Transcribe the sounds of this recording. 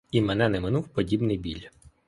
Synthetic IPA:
imɛnɛnɛmɪnuwpɔdʲibnɪjbʲilʲ

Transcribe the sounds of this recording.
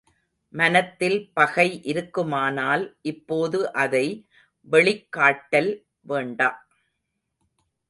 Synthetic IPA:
mɐnɐt̪ːɪlpɐɣɐɪʔɪɾɯkːɯmaːnaːlʔɪpːoːðɯʔɐðɐɪ | ʋɛɭɪkːaːʈːɐl | ʋeːɳɖaː

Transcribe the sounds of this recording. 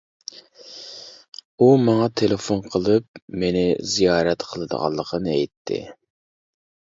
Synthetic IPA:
umɑŋɑt̪ʰelefonqʰəlˠɨp̚menɪzijɑːɾɛt̪qʰəlˠɨd̪ə̰ʁɑ̰lˠːəqʰənɨɛjt̪ʰːɪ̰

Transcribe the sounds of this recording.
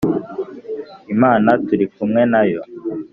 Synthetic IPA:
imaːnatuɾikumŋenajo

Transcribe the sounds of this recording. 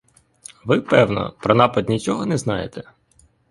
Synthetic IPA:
ʋɪpɛwnɔ̰pɾɔnɑpɐd̪ʲnʲit͡ʃɔɦɔnɛznɑjet̪ɛ

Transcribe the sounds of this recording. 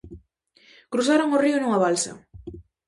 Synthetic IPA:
kɾusaɾoŋoriʊnuŋɐβalsɐ̰

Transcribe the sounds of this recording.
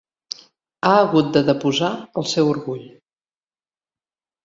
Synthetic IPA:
aəɣut̪̚d̪əðəpuzaəlˠsɛwuɾɣuʎ

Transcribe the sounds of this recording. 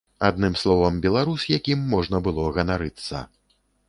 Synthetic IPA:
ad̪nɨmslˠɔvɐmbʲɛlˠaɾusjakʲimːɔʐnɐbɨlˠɔɣɐnaɾɨt̪sːɐ̰

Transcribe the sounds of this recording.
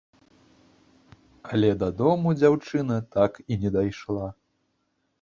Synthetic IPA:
ɐlʲɛd̪ɐd̪ɔmud͡zʲawt͡ʂɨnɐt̪akinʲɛd̪ajʂlˠa

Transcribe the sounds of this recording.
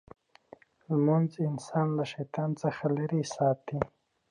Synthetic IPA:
lmunzɪnsɑnlaʂajt̪ɑːnt͡səxalaɾisɑːt̪i

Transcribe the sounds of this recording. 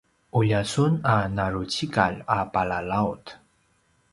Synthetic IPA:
ʔuʎasunanaɾut͡ɕika̰ʎapalalaut

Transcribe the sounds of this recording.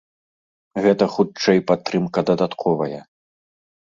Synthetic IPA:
ɣɛt̪ɐxut͡ʂɛjpat̪ːɾɨmkɐd̪ɐd̪at̪kʰɔvɐjɐ

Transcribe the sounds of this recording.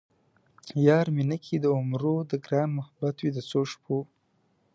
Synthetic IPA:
jɑːɾminəkʰid̪əʊmɾod̪əɡɾɑːnmʊhabat̪wid̪əsoʃpʰo

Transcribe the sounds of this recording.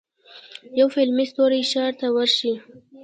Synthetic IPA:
jawfɪlmɪst̪oɾajʃɑɾt̪awəɾʃi

